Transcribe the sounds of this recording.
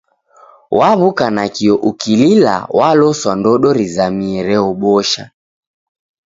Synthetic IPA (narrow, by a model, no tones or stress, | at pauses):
waβukanakiɔʔukilila̰walɔswandɔɗɔɾizamiɛɾɛɔɓɔʃa̰